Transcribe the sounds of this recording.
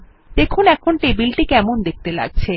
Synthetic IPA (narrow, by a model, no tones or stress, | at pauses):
d̪̥ekʰunɛkʰonʈibilʈikɛmond̪ek̚t̪ela̰ɡ̚t͡ɕʰe